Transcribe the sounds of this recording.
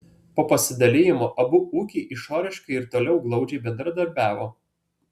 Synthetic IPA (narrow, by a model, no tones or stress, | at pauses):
poːpɐsʲɪd̪ɐlʲɪjɪmoːʔɐbʊuːkʲiʔɪʃoːɾʲɪʃkɐɪɪɾt̪oːlʲɛʊɡlˠɒʊd͡ʒʲɛɪbʲɛnd̪ɾɐd̪ɐɾʲbʲæːʋoː